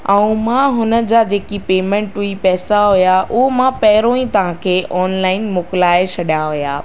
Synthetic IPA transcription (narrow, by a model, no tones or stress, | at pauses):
ɛ̃ũmãɦʊnə̆d͡ʑad͡ʑeːkipeːmɛ̃ɳʈuipɛːsaɦʊjaʔʊɦomãpɐɦɪɾõːĩt̪ɐʋ̤ãkʰeːʔɔːnlaːɪnmʊkɪlaːet͡ɕʰɐɗjaɦʊja̰ː